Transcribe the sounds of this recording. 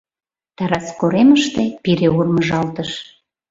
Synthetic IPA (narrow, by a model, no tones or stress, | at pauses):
t̪ɑɾɑskoɾeməʃt̪epiɾeurməʒɑlt̪əʃ